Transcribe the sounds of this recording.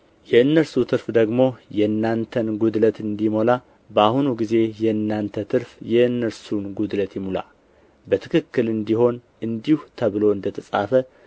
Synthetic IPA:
jɛɨnːəlsut̪ʰɨɾfd̪əɡmo̞jɛɨnːant̪ʰənɡud̪lət̪ɨnd̪imo̞la | bəahunuɡize̞jɛɨnːant̪ʰət̪ʰɨɾfjɛɨnːəɾsunɡud̪lət̪jɛmula̰ | bət̪ʰɨkʰɨkːɨlɨnd̪iho̞n | ɨnd̪ihut̪ʰəβɨlo̞ɨnd̪ət̪ʰəsʼafə

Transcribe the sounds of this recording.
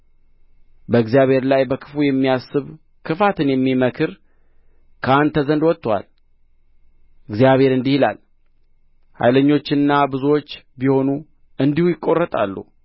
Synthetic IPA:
bəɨɡzjaβhe̞ɾlajbəkʰɨfujɛmːijasːɨβ | kʰɨfat̪ʰɨnjɛmːiməkʰɨɾ | kʰəand̪ʰəzənd̪wɔt̪ːwa̰l | ɨɡzijaβhe̞ɾɨnd̪ihila̰l | ha̰jləɲːo̞t͡ʃːɨnːabɨzuwo̞t͡ʃː | biho̞nu | ɨnd̪ihujɪkʼːo̞rːət̪ʼa̰lːṵ

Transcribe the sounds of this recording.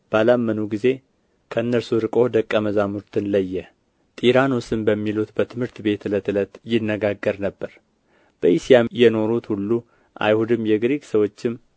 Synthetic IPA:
b̥əalamːənuɡize̞ | kʰəɨnːəɾsuɾɨkʼo̞d̪əkʼːəməzamuɾt̪ʰɨnləjːɛ | t̪ʼiɾanwusɨnbəmːilut̪bət̪ʰɨmhɨɾt̪be̞t̪ɨlət̪ɨlət̪jɪnːəɡaɡːəɾnəbːəɾ | b̥əʔisijamjɛno̞ɾut̪hulːu | ʔa̰jhud̪ɨmjɛɡɾiɡʼsəwo̞t͡ʃːɪm

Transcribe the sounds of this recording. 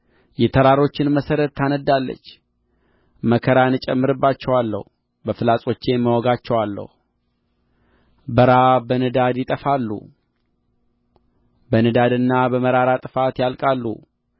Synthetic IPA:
jɛt̪ʰəɾaɾo̞t͡ʃːɪnməsəɾət̪ːanəd̪ːalːə̰t͡ʃː | məkʰəɾanɨt͡ʃʼɛmːɨɾɨbːat͡ʃːɛwalːə̰hu | bəfɨlasʼo̞t͡ʃːemːəwɔɡat͡ʃːɛwalːə̰hu | bəɾabənɨd̪ad̪jɪt̪ʼəfalːṵ | bənɨd̪ad̪ɨnːabəməɾaɾat̪ʼɨfat̪jalkʼalːṵ

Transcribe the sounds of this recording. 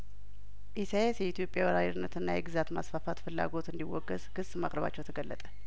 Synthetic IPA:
ʔisajesjɛit̪ʰjo̞pʼjawəɾajiɾɨnːət̪ɨnːajɛɡɨzat̪ma̰sfafat̪fɨlːa̰ɡo̞t̪ɨnd̪iwːɔɡːəzkʰɨsʼːma̰kʼɾəβa̰t͡ʃːɛwt̪ʰəɡəlːət̪ʼə̥

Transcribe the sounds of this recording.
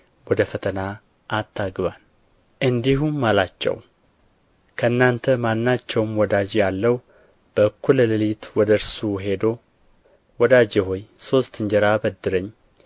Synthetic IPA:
wɔd̪əfət̪ʰəna | ʔat̪ʰːaɡɨβal | ʔɨnd̪iɦumːalat͡ʃːɛ̰w | kʰəɨnːant̪ʰəmanːat͡ʃːɛwmwɔd̪ad͡ʒjalːəw | b̥əɨkʰːulːəlɨlit̪wɔd̪əɾsuɦe̞d̪o̞ | wɔd̪ad͡ʒɛɦo̞jso̞st̪ɨɲd͡ʒɛɾabəd̪ːɨɾəɲː

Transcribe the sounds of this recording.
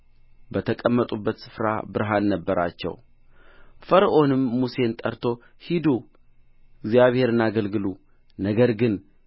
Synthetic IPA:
bət̪ʰəkʼəmːət̪ʼubːət̪sɨ̥fɾa̰bɨɾɦanːəbːəɾa̰t͡ʃːɛ̰w | fəɾʔo̞nɨmːuse̞nt̪ʼəɾt̪ʰo̞ | hid̪u | ɪɡzjaβhe̞ɾɨnaɡəlɡɨlu | nəɡəɾɡɨn

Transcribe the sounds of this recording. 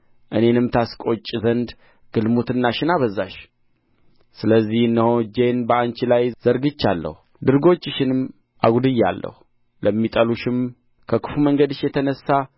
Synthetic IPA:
ʔɨne̞nɨmt̪ʰaskʼo̞t͡ʃʼzənd̪ | ɡ̥ɨlmut̪ɨnːaʃɪnaβəzːaʃ | sɨləzːihɨnːəho̞d͡ʒe̞nbəant͡ʃilajz̥əɾɡɨt͡ʃːalːə̰hu | d̪ɨɾɡo̞t͡ʃːɨʃɪnɨm | a̰ɡʷud̪ɨjːa̰lːə̰hu | ləmːit̪ʼəluʃɪm | kʰəkʰɨ̥fuməŋɡəd̪ɨʃjɛt̪ʰənəsːa

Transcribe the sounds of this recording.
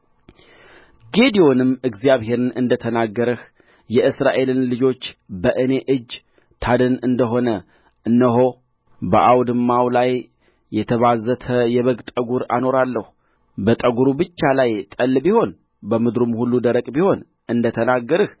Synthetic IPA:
ɡe̞d̪ijo̞nɨmːɨɡzijaβhe̞ɾɨnɨnd̪ət̪ʰənaɡːəɾɨh | jɛʔɨsɾaʔe̞lɨnlɨd͡ʒo̞t͡ʃːbəʔɨne̞ʔɨd͡ʒː | t̪ʰad̪ɨnɨnd̪əɦo̞nə | ɨnːəɦo̞ | bəʔawd̪ɨmːawlajː | ɛt̪ʰəβazət̪ʰəjɛβəɡt̪ʼəɡuɾa̰no̞ɾalːəhu | bət̪ʼəɡuɾubɨt͡ʃːalajt̪ʼəlːbiho̞n | bəmɨd̪ɾumhulːud̪əɾəkʼbiho̞n | ɨnd̪ət̪ʰənaɡːəɾɨh

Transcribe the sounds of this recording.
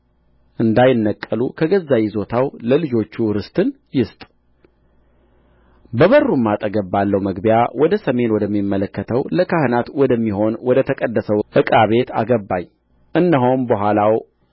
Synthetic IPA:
ʔɨnd̪ajɪnːəkʼːəlukʰəɡəzːajizo̞t̪ʰawləlɨd͡ʒo̞t͡ʃːuɾɨst̪ʼɨn | jɪst̪ʼ | bəβərːumːat̪ʼəɡəbːalːəwməɡbijawʔɔd̪əsəme̞nwɔd̪əmːimːələkːət̪ʰəwləkʰahɨnat̪wɔd̪əmːiɦo̞nwɔd̪ət̪ʰəkʼəd̪ːəsəwʔɨkʼaβe̞t̪ʰa̰ɡəbːaɲ | ʔɨnːəɦombəɦʷalaw

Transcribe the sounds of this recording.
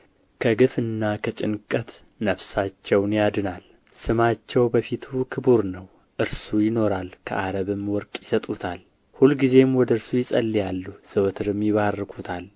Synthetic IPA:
kʰəɡɨfɨnːakʰət͡ʃʼɪnkʼət̪ | nəβsat͡ʃːɛwnjad̪ɨnal | sɨmat͡ʃːɛwbəfit̪ʰukʰɨbuɾnəw | ʔɨɾsujɪno̞ɾalkʰə̰ʔaɾəβɨmwɔɾkʼjɪsət̪ʼut̪ʰal | hulɡize̞mwɔd̪əɨɾsujɪsʼə̰lːijalːusɨwt̪ʰɨɾɨmjɪβarːɨkʰut̪ʰal

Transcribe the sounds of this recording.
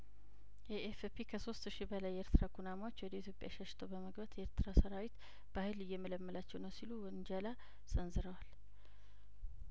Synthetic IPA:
jɛʔefpʰikʰəso̞st̪ʃibəlajːɛeɾt̪ʰɨɾaɡʰunamawot͡ʃːwɔd̪əjit̪ʰjopʼja̰ʃəʃɪ̥t̪ʰəwbəməɡbət̪jɛeɾt̪ɨɾasəɾawit̪ | b̥ahɨlɨjːɛmələmːəlat͡ʃːɛwnəwsiluwnd͡ʒəla | sənzɨɾəwal

